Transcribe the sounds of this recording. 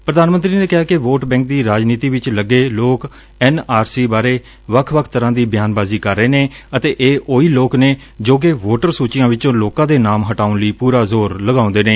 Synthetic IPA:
pɾəd̪aːnmənt̪ɾiːneːkɪɦaːkɪʋoːʈbɛ̃ːŋk̚d̪iːɾaːd͡ʒniːt̪iːʋɪt͡ʃləɡeːloːk | ɛːnaːɾsiːbaːɾeː | ʋəkʰʋəkʰt̪əɾãːd̪iːbjaːnbaːziːkəɾːeːneːət̪eːʔeːʔoːiːloːkneː | d͡ʒoːk̬eːʋoːʈəɾsuːt͡ʃɪjãːʋɪt͡ʃõːloːkãːd̪eːnaːmɦəʈaːʊnləiːpuːɾaːzoːɾləɡaːʊ̃nd̪eːneː

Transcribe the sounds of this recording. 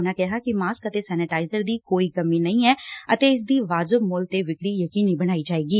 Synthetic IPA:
nãːkɛɦaːkɪmaːskət̪eːsɛːnɪʈaːɪzəɾd̪iːkoːiːkəmiːnəĩːɛːət̪eːɪs̬d̪iːʋaːd͡ʒəbmʊːlt̪eːʋɪkɽiːjəkiːniːbəɽ̃aːid͡ʒaːeːɡiː

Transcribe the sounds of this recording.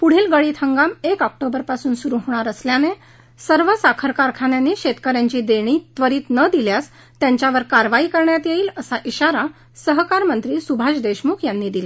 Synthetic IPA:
puɽ̤iːlɡəɭiːt̪ʰəŋɡamekɔk̚ʈobəɾpasuːnsuɾuɦoɽ̃aɾəsljane | səɾʋəsakʰəɾkaɾkʰanjãnːiːɕet̪kəɾjaɲt͡ɕiːd̪eɽ̃iːt̪ʋəɾiːt̪nəd̪iljas | t̪jãɲt͡ɕjaʋəɾkaɾʋaiːkəɾɳjat̪jeiːləsaʔiɕaɾa | səɦkaɾmənt̪ɾiːsubʱaɕd̪eɕmukʰjanːiːd̪ila

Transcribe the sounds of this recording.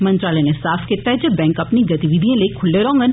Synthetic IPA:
mɐ̃nt̪ɾaːlenesaːfket̪aɦɛd͡ʒɐbɛ̃ːŋkɐpniɡɐt̪iʋid̪ʱijãlekʰʊlːeɾɔ̃ːŋɡən

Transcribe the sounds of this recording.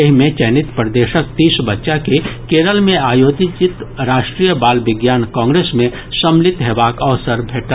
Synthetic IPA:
ɐɦimẽt͡ʃɛːnit̪pɾd̪eːʃək̚t̪iːsbətːʃakekeːɾəlmẽaːjoːt̪it͡ʃɪt̪ɾaːʃʈɾijəbaːlʋɪɡjaːnkãːŋɡɾeːsmẽ | səmlɪt̪ɦeːbaːkəʋsəɾbʱeːʈ

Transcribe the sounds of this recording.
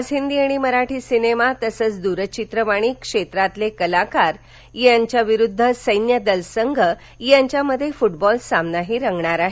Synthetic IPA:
d͡zɦind̪iaɽ̃iməɾaʈʰiːsinemat̪əsəːt͡sd̪uɾət͡ɕit̪ɾəʋaɽ̃iːkʂet̪ɾat̪lekəlakaɾ | jaɲt͡ɕjaʋiɾud̪ʱːəsəjnjəd̪əlsəŋɡʱə | jaɲt͡ɕjaməd̪ʱːjefuʈbɔlsamnaɦiːɾəŋɡɳaɾaɦe

